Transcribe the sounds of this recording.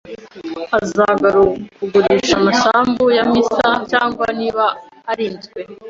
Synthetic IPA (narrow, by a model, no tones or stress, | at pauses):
azaɡaɾukuɡuɾiʃamasaːmbujamisacaːŋɡwaniβaː | ɾiːnzɡwe̞